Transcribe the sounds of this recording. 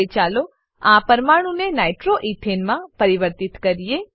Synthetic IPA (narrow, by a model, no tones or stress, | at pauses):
t͡ʃalo | ãpəɾmaɽ̃ũnenajʈɾoʔiʈʰenmãpəɾiʋəɾt̪it̪kəɾije